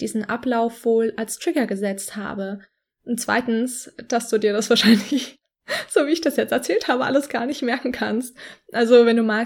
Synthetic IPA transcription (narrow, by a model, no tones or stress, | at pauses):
d̥iːzn̩ʔaplaʊfv̥oːlalstʁ̥ɪɡɐɡəzɛt͡stha̰ːbə | ʔʊnt̚t͡sv̥a̰ɪtn̩sd̥asd̥uːdiːɐɾasv̥aːɐʃaɪnlɪç | z̥oːviːɪçd̥asjɛt͡stɛɐt͡sɛːlthaːbəʔa̰ləsɡ̥aːɐnɪçtmɛɐkŋ̩kʰanstʔalzovɛnduːmaː